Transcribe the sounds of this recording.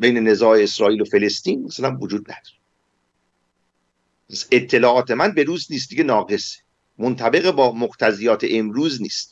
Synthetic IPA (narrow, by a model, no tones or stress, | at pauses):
be̞jne̞ne̞zɒːeesɾɒːʔiːlofe̞le̞st̪iːnmasælænvod͡ʒuːd̪̚næ̰d̪̥ɒ̥ːɾe | pʰæse̞t̪ʰːe̞lɒːʔɒːt̪ʰe̞mænbe̞ɾuːzniːs̬t̪d̪iːɡenɒːɡe̞se̥ | mont̪ʰæbe̞ɣebɒːmoqt̪ʰæzijɒːt̪ʰeʔemɾuːzniːst̪